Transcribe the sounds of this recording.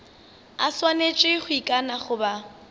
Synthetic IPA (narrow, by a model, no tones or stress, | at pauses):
a̰swanet͡ʃʼɪχʊikʼanaχʊba